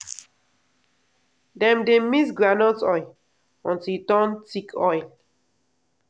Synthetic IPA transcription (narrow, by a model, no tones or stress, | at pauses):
dɛ̃mdemis̬ɡɹanɔtɔj | ɔ̃ntiltɔ̃ntikʰɔjl